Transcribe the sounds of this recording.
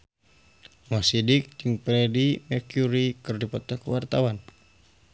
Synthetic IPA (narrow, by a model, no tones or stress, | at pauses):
ŋasidik̚d͡ʒɨŋpɾɛdimɛrkjuɾikɨrdipɔt̪akuwart̪awan